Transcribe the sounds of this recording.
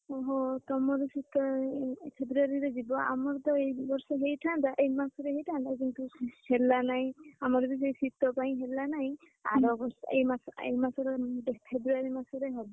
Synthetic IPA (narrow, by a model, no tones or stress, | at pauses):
ɔɦɔt̪ɔmɔɾesit̪ɔpʰebɾuaɾiɾed͡ʒibɔa̰mɔɾt̪ɔejbɔɾsɔɦejʈʰand̪aʔejmasɔɾeɦejʈʰand̪akint̪uelːanaj̃amɔɾd̪ɔs̬ejsit̪ɔpaj̃ɦelːanaĩj̃ | a̰ɾɔbɔɾsɔejmasḛjmasɔɾepʰebɾuaɾimasɔɾeɦɔbɔ